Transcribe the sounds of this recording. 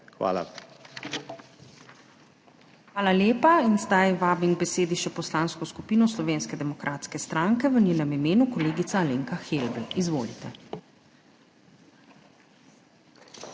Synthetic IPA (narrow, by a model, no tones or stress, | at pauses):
xʋa̰ːla̰ | xʋaːlaljeːpainzd̪ajʋaːbimɡ̚bɛseːd̪iʃɛpɔslaːnskɔskupiːnɔslɔʋeːnskɛd̪ɛmɔkɾʔaːt̪skɛst̪ɾaŋkɛʋənʲeːnɛmimeːnukɔleːɡit̪saleːŋkaxelbl̩izʋoːlḭt̪ɛ